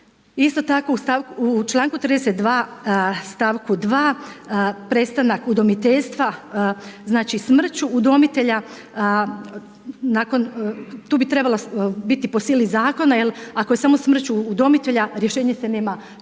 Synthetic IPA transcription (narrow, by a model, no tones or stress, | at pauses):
ist̪o̞t̪ako̞ust̪aʋkuut͡ʃlˠaːŋkut̪ɾid̪eset̪d̪ʋaːst̪aʋkud̪ʋaː | pɾest̪anakud̪o̞mit̪e̞ʎst̪ʋa | znaːt͡ʃismr̩t͡ɕuːd̪o̞mit̪e̞ʎa | aːko̞nt̪uːbit̪ɾe̞balobit̪ipo̞siːlizaːko̞najelako̞je̞saːmo̞smr̩t͡ɕuːd̪o̞mit̪eʎaɾje̞ʃe̞ːɲe̞seneːma